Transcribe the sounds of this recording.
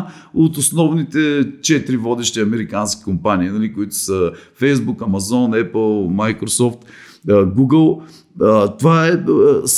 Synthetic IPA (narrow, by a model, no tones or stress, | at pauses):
ot̪ʊsnɔvnit̪ɛt͡ʃɛt̪ɾivɔd̪ɛʃt̪iɐmɛɾikanskʲi̥kʊmpaniinɐlikʊit̪ʊ̥səfɛjzbukɐmɐzɔnɛpəlˠmajkɾosɔft̪ | ɡuɡəlˠ | ət̪ovaɛs